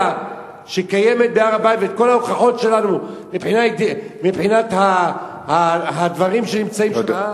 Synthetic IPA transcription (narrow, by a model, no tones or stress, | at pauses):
ʃekaje̞me̞t̪̚beaʁabajt̪veet̪̚ko̞lauχaχo̞tʃe̞lanulepħinaid̪mibħinat̪ha | haɦad̪vaʁimʃenimt͡saima